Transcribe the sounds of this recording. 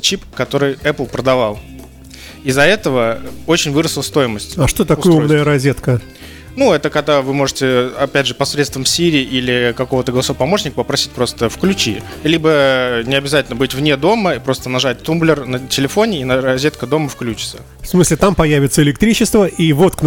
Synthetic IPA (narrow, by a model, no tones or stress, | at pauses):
t͡ɕipkɐt̪o̞ɾɨjɛplˠpɾəd̪ɐvɑlˠ | ɪzːɐɛt̪əvəo̞t͡ɕɪnʲvɨɾəsʲlˠəst̪o̞jɪməsʲtʲaʂt̪ot̪ɐoj̪umnəjəɾɐzʲet̪kə | nuɛt̪əkɐɡ̚d̪avɨmo̞ʐɨtʲɪɐpʲædʲʐɨpɐsɾʲet̪st̪vəmfsʲiɾʲɪːʔilʲɪkɐko̞vət̪əɡəlˠɐsopɐmo̞ʂnʲɪkəpəpɾɐsʲi̥t̚ʲpɾo̞st̪əfklʲʉt͡ɕilʲibənʲɪɐbʲɪzatʲɪlʲnəbɨtʲvnʲed̪o̞məipɾo̞st̪ənɐʐat̚ʲt̪umblʲɪrnətʲɪlʲɪfo̞nʲɪinɐɾɐzʲet̪̚kəd̪o̞məfklʲʉt͡ɕɪ̥t̪sə | fsmɨsʲlʲɪt̪ampɐjævʲɪt̪səɪlʲɪk̚t̪ɾʲit͡ɕɪst̪vəʔivo̞t̪kn